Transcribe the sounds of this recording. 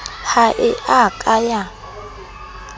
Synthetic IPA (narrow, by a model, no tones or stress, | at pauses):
haʔɪʔakʼaja